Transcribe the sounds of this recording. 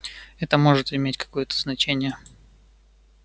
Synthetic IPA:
ɛt̪əmo̞ʐɨt̪ɪmʲetʲkɐ̥ko̞jət̪ʰəznɐt͡ɕenʲɪjə

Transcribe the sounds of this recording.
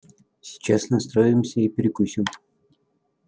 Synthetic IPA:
sʲɪ̥t͡ɕasnɐst̪ɾoɪmsʲəipʲɪɾʲɪkusʲɪm

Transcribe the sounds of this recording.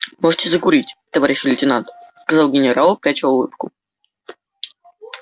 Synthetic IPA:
moʐɨtʲɪzəkʊɾʲitʲt̪ɐvaɾʲɪɕːɪlʲɪtʲɪnant̪skɐzɑlˠɡʲɪnʲɪɾalˠpɾʲat͡ɕəʊlˠɨ̰pkʊ

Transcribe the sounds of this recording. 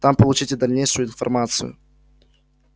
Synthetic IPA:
t̪ampəlˠut͡ɕitʲɪd̪ɐlʲnʲejʂɨjʊinfɐ̰rmat̪sɨ̰jʊ̰

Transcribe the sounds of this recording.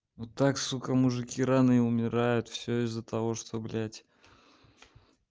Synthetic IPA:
ot̪ːaksʊkɐmʊʐɨkʲiɾanɨʊmʲɪɾajʊt̪fsʲoɪzːət̪ɐvo̞ʂt̪oblʲætʲ

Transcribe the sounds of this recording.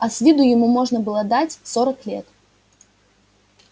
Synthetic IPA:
ɐsʲvʲid̪ʊjɪmumɔʐnɐbɨlˠəd̪at͡sʲsɔɾəklʲɛ̰t̪

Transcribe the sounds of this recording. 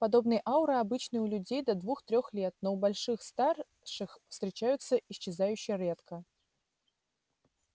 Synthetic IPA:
pad̪obnɨjʔawɾɨabɨt͡ɕnɨjulʲʉd͡zʲejd̪ɐd̪vuxt̪ɾʲɔxlʲɛt̪̚nɔubalʲʂɨxst̪ar | ʂɨxfst̪ɾʲɪt͡ɕajʊt̪sːɐʔiɕt͡ɕːɪzajʉɕːɪjɾʲɛt̪kə

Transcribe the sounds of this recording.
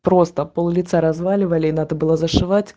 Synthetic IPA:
pɾost̪əpəlˠulʲɪt̪saɾazvalʲɪvəlʲɪnad̪əbɨlˠozɐʂɨvat͡sʲ

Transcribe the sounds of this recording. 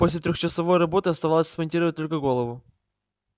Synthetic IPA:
po̞sʲlʲɪt̪ɾʲoxt͡ɕɪsɐvo̞jrɐbo̞t̪ɨɐst̪ɐvalˠəsʲsmɐnʲtʲiɾəvət̚ʲt̪o̞lʲkəɡo̞lˠəvʊ

